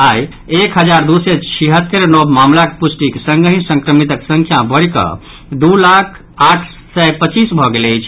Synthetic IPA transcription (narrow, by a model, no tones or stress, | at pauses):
aj | ekɦəd͡ʒaɾd̪uset͡ʃʰiɦət̪ːeɾnɔbmamlakepusʈiksəŋɡəɦĩsə̃ŋkɾəmit̪əksə̃ŋkʰjabəɽikə̰ | d̪ulakʰ | aʈʰ | sɛpət͡ʃisbʱɔɡeləjt͡ʃʰ